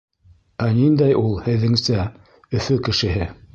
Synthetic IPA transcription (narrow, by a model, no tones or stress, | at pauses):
ænind̪æjulˠhɘ̆ðːɘ̆ŋsæ | ɵ̆fɵkɘ̆ʃɘ̆ɦɘ